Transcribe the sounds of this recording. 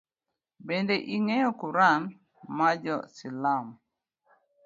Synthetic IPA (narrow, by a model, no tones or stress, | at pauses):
bendeʔiŋejɔkuɾan | mad͡ʒɔsilam